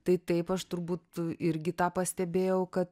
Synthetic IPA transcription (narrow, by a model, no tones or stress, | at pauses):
t̪ɐɪt̪ɐɪpɐʃt̪ʊɾbuːt̪ɪɾʲɡʲɪt̪ɑːpɐsʲt̪ʲɛbʲeːjɛʊkɐt̪